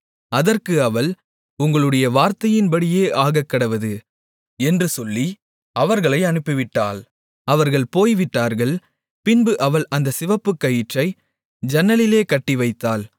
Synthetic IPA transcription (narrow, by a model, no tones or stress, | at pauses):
ɐðɐrkɯɐʋɐɭ | ʊŋɡɐɭɯɽɐjɐʋaːɾt̪ɐjɪnbɐɽɪjeːʔaːɣɐkːɐɽɐʋɐðɯ | ɛndrɯsɔlːi | ɐʋɐɾɣɐɭɐɪɐnɯpːɪʋɪʈːa̰ːl | ɐʋɐɾɣɐɭpoːjʋɪʈːaːɾɣɐɭ | pɪnbɯʔɐʋɐɭɐnd̪ɐsɪʋɐpːɯkːɐjɪʈrɐɪ | d͡ʒɐnːɐlɪleːkɐʈːiʋɐɪt̪ːaːl